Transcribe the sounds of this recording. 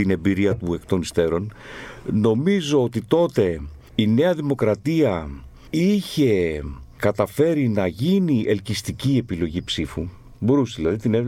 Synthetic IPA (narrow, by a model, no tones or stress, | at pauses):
ine̞biɾiɐt̪ue̞kt̪o̞nist̪e̞ɾo̞n | no̞mizo̞ot̪it̪o̞t̪e̞ | ine̞ɐðimo̞kɾɐt̪iɐ | içe̞kɐt̪ɐfe̞ɾinɐʝiniʔe̞lcist̪icie̞pilo̞ʝipsifu | bo̞ɾusðilɐðit̪ine